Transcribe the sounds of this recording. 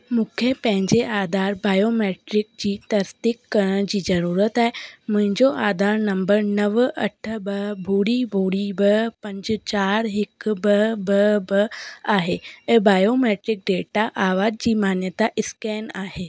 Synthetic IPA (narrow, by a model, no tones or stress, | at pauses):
mukʰjəpɛ̃ɦɲd͡ʑeʔad̪ʱaɾbajomeʈɾik̚d͡ʑiːt̪əɾst̪ikːəɾəd͡ʑiːd͡zəɾuɾət̪aem̤əɲd͡ʑoʔad̪ʱaɾnəmbəɾnəʋʔə̰ʈʰəbəbʱuɽiːbʱuɽiːbəpəɲd͡ʑt͡ɕaɾɦikbəbəbəaɦeebajomeʈɾik̚ɖeʈaʔaʋad͡ʑ̚d͡ʑiːmanjət̪aʔiskɛnahe